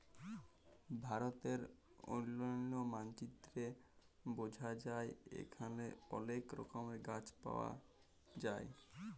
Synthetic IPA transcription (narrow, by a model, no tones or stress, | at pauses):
bʱaɾot̪eɾ | o̰lːoomant͡ɕit̪ːɾe | bod͡ʑʱad͡ʑaeḛkʰaneo̰lekɾo̰komeɾɡat͡ɕpa̰oa̰ | d͡ʑae